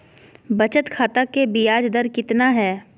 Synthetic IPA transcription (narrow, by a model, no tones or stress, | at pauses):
bɐt͡ʃət̪kʰaːt̪akebɪjaːd͡ʒd̪əɾkɪt̪naɦɛː